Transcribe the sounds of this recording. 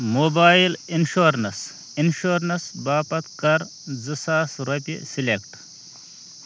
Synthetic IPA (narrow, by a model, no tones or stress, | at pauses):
moːbaːilinʃoːɾnɐs | inʃoːɾnɐsbaːpɐt̪kɐɾ | zɨsaːsɾɐpʲḭsilekʈ